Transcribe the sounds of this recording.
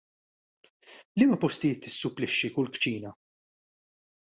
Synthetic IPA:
liːmɐpɔst̪ɪjɪːt̪ːɪsːʊpːlɪʃːikʊlkt͡ʃiːnɐ

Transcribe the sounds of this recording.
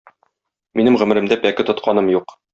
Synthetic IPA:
minɘmʁɵ̆mɘ̆ɾɘ̆md̪æpækɘt̪ŏt̪qʰɑnɤmjuq

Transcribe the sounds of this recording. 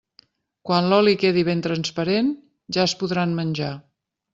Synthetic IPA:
kwanlɔlikeðiβ̞ent̪ɾənspəɾen | ʒaəspuðɾanmənʲʒa

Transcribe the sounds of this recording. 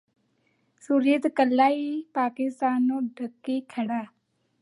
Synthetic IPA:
suɾjət̪kəlːaːipaːkɪst̪aːnːõːɖʱəkːikʰəɽaː

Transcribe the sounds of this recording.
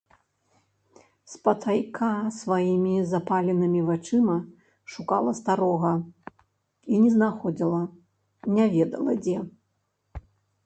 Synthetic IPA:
spɐt̪ʰajkʰasvajimʲizapalʲɛnɨmʲivat͡ʂɨmɐ | ʂukalˠɐst̪aɾɔɣɐ | inʲɛznaxɔd͡zʲilˠɐ | nʲavʲɛd̪ɐ̰lˠɐ̰d͡zʲɛ

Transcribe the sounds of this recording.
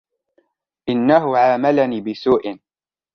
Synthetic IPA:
ʔɪnːaɦʊʕaːmalaniːbɪsuːʔɪn

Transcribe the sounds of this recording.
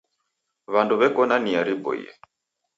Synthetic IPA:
βanduβɛkɔnaniaɾibɔ̰ḭjɛ̰

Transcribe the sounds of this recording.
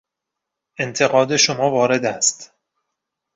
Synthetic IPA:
ʔe̞nt̪ʰe̞ɣɒːd̪e̞ʃomɒːvɒːɾe̞d̪æst̪

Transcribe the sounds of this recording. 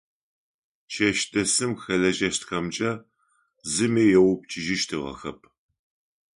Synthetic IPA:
t͡ʃʰɐʃtʰʼɐsɨmxɐɮɐʒɐʃtxɐmd͡ʒʼɐ | zɨmeːjɛwʊp̚t͡ʃʰʼɪʒɪʃtʰɨʁɐ̰xɐ̰p̚ʰ

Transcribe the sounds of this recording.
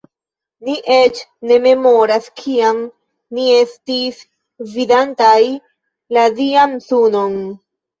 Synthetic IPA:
niʔe̞t͡ʃne̞me̞mo̞ɾaskʰiam | nie̞stis | vidantaj | ladiamsuno̞n

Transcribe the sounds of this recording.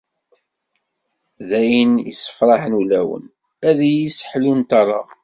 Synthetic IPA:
ðæjənjḭsə̥fɾˤɑħnulæwə̰n | æðijisħlunt̪ɑrˤːɑ

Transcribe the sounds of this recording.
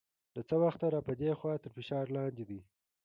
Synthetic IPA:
lət͡səwaxt̪aɾɑpəd̪exwɑt̪əɾfɪʃɑɾlɑnd̪ed̪i

